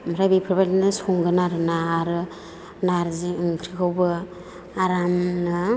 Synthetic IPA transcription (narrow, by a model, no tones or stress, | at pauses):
maɾabipʰɯɾbalinɯsuŋɡɯnaɾɯnaɾɯ | naɾziɯŋkʰɾikʰɯwbɯ | aɾamnɯ